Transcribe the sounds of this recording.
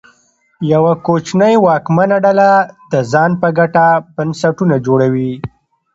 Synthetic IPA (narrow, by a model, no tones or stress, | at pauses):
jawakot͡ʃnəjwɑkmanaɖalad̪əzɑnpəɡaʈabansaʈunad͡ʒoɽawi